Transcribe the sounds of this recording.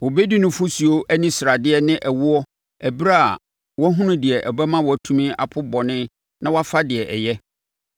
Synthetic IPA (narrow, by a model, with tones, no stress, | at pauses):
wʊ˨be˦di˦nʊ̃˦fʊ˦si˨o˦ʔæ˦nĩ˦sɪ˨ɾa˨dɪ˦ɛ˦nɪ̃˦ʔæ˨wʊ˦ɔ˦ | æ˨bi˦ɾa˦a̰˨ | wɔ˦ɦʊ̃˦nʊ̃˦dɪ˨ɛ˨ʔæ˨bɛ˦mã˦wɔ˨tʰũ˦mĩ˦a̰˨pʰʊ˦bɔ˨nɪ̃˦ | nã˦wɔ˦a˦fa˦dɪ˨ɛ˨ʔɛ˨jɛ˦